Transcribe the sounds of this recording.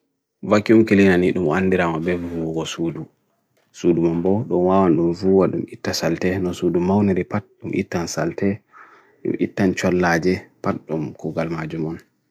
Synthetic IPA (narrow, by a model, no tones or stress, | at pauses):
vakːiumkelinaniɗumɔanːdiɾamabɛvuɡɔsuːdu | sudumɔmbɔɗɔnwaːwanɗumvuwaɗumitːasaltɛnɔsudumawniɾipat̚ɗumʔḭtːansa̰ltɛ | ɗṵmitːant͡ʃɔlːaːd͡ʒɛpatɗumkɔɡalmad͡ʒumɔn